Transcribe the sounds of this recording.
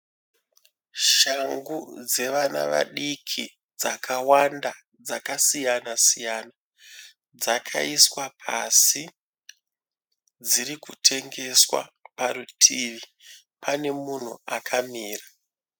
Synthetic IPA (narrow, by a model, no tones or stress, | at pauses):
ʃaŋɡud͡ze̞ʋana̰ʋa̰ɗikʰi | d͡zakawanda | d͡zakasijanasijana | d͡zakʰa̰iswapʰa̰si | d͡ziɾikutʰe̞ŋɡe̞swa̰paɾutʰiʋi | pʰane̞mun̤ṵakʰamiːra